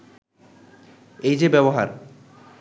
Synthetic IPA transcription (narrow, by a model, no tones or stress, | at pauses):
ejd͡ʑebɛboɦaɾ